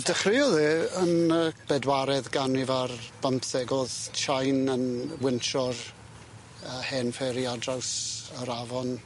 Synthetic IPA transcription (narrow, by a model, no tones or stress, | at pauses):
d̥əχrɪɔðɛənəb̥ɛdwaɾɛðɡanivarb̥əmpθɛɡɔðt͡ʃʰajnənwɪnʃɔr | əhɛːnfɛɾiadrawsəɾavɔn